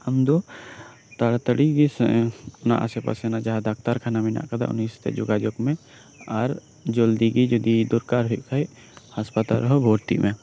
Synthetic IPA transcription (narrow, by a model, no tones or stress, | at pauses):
əmd̪o | t̪aɽt̪əɽiɡisʊna̰ʔasɛpa̰sɛnad͡ʒaɦad̪ak̚ʰt̪aɾkʰanamina̰ʔkad̪a̰ʊ̰nːist̪ɛ̰d͡ʒʊɡad͡ʒɔkmɛ̃ | aɾ | d͡ʒɔld̪iɡid͡ʒod̪id̪ʊɾkaɾɦuiʔkʰaj | haspat̪aɾɦɔbʱoːɾt̪ḭʔmɛ̃